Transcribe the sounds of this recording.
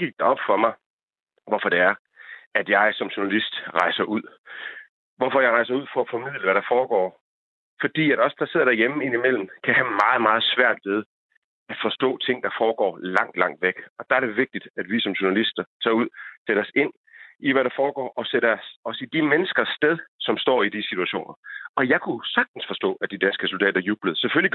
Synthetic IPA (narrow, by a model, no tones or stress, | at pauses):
ɡ̥iɡ̥̚d̥ɑɒ̽b̥fɒ̽mɑ̈ɪ | ʋɒfɒ̽d̥e̝æɐ | æd̥jɑ̈ɪsɒ̽mɕuɐnælisd̥ʁɑ̈ɪsɐʔuð̞̰ˠ | ʋɒfɒ̽jɑ̈ɪʁɑ̈ɪsɐuð̰ˠfɒ̽æfɒ̽mið̰ˠləʋæɾɑ̈fɒːɡ̥ɒ̰ː | fɒ̽d̥ḭːæɾ̥ɒ̽sd̥ɑse̝ð̞̰ˠɐdæɐjeməe̝n̰imel̰m̩kʰæhæmɑ̈ːð̩ˠmɑ̈ːð̞̩ˠsʋæɐ̰d̥ʋe̝ð̞ˠ | æd̥fɒ̽sd̥ɔ̰̽ːt͡sʰe̝ŋ̰d̥ɑ̈fɒːɡ̥ɒ̰ːlɑ̈ŋ̰d̥lɑ̈ŋ̰d̥ʋeɡ̥ɒ̽d̥ɑ̈æɐɾ̥eʋe̝ɡ̥̚d̥id̥æd̥ʋisɒ̽mɕuɐnælisd̥ɐt͡sʰɑ̰̈ːuð̞̰ˠseɾ̥ɐɒ̽se̝n̰ | iʋæɾɑ̈fɒːɡ̥ɒ̰ːʔɒ̽seɾəsɒ̽sid̥imenəsɡ̥ɐsːd̥eðˠsɒ̽msd̥ɒ̰ːid̥isit͡sʰuæɕo̝̰ːnɐɒ̽jɑ̈ɪkʰusɑ̈ɡ̥̚d̥n̩sfɒ̽sd̥ɔ̰ːæd̥id̥ænsɡ̥əsuld̥ɛ̰ːd̥ɐjuːb̥ləð̞̩ˠseføli